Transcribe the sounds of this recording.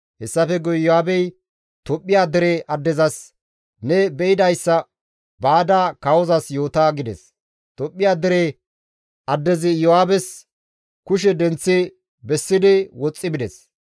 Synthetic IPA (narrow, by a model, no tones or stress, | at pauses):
hɛsːɐfɛɡɔjjɔhaːbɛj | t̪ɔpʼːɪjaːd̪ɛɾeʔɐd̪ːɛzɐs | nɛbɛjɪd̪ɐjsːɐ | baːd̪aːkawɔzɐsjo̞ːt̪aːɡɪd̪ɛs | t̪ɔpʼːɪjaːd̪ɛɾe | ɐd̪ːɛzɪjɔhaːbɛs | kʊʃ̬ɛd̪ɛnt͡sːɪ | bɛsːɪd̪ɪwɔt͡sʼːɪbɪd̪ɛs